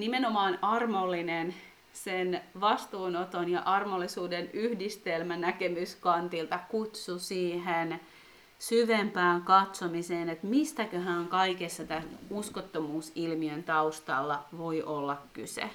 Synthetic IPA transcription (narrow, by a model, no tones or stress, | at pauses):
nimenomɑːnɑrmolːinen | senʋɑst̪uːnot̪onjɑʔɑrmolːˑisuːdenyhdist̪elmænækemyskɑnt̪ilt̪ɑkut̪susiːɦen | syʋempæːŋkɑt̪somiseːnet̪mist̪ækøhæːŋkɑikesːɑt̪æuskot̪ːomuːsilmiønt̪ɑust̪ɑ̰lːɑʋoiʔolːɑkkysḛ